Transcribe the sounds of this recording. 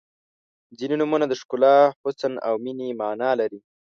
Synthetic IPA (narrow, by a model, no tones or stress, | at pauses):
zininumunad̪əʃkʊlɑhʊsana̰wminimɑːnɑlaɾi